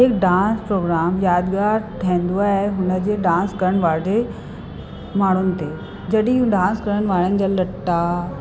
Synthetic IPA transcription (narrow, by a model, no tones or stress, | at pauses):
ɦɪkɖãːnspɾoːɡɾaːmjaːd̪ɡaːɾt̪ʰiẽn̆d̪uaːɦɦeɦʊnə̆d͡ʑeːɖãːnskɐɾəɽ̃ʋaːɽe | maːɳ̤ʊnɪ̆t̪eː | d͡ʑɐɗĩɦũɖãːnskɐɾənɪ̆ʋaːɽənɪ̆d͡ʑaːlɐʈːa